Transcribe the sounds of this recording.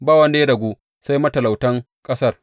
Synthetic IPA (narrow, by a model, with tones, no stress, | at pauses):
baː˦˨wɐ˦nda˨˦ja˦dɐ˨ɡʷuː˦ | sa˦jmɐ˦tɐ˨la˨wtɐ˦ŋ | kʼɐ˦sɐ˦˨r